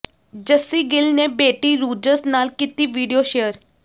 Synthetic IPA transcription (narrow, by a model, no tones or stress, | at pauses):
d͡ʒəsːiːɡɪlneːbeːʈiːɾuːd͡ʒəsnaːlkiːt̪iːʋiːɖijoːʃeːəɾ